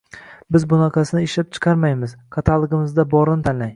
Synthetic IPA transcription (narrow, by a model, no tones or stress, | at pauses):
bɪzbʊnɑqʰɑsɪnɪɪʃlap̚t͡ʃʰɨ̥qʰɑɾmajmɪzkʰat̪ʰalˠɨɡɪmɪzd̪abɒɾɪnɪt̪ʰanlaj